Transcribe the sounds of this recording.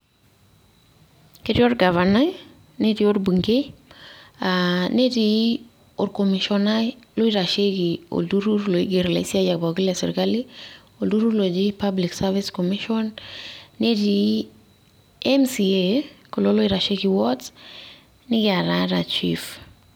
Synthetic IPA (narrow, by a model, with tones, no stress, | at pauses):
ke˦ɾi˦o˦ɾɡa˨vana˦j | ne˦ti˦o˦ɾbu˨ŋɡe˦ | ane˦ti | o˨ɾko˨mi˨ʃɔna˦lʊ˦i˦ɾa˨ʃe˦ɡi˨o̰˨du˦ɾu˦ɾlo˨i˦ɡe˨ɾla̰˨i˦si˦a˦d͡ʒa˨k̚ba˨ɡi˦la˨sɪ˨ɾkali˦ | o˨ldu˦ɾu˦lo˨d͡ʒipabli˨ksavi˦skɔ˨mi˦ʃɔnː | e˦ti˨ | ɛmsie˨ko˨lo˦lo˦iɾa˨ʃe˦ɡi˨wɔ˦t | nɪ˦ɡɪ˦a˨ɾaɾa˨t͡ʃḭf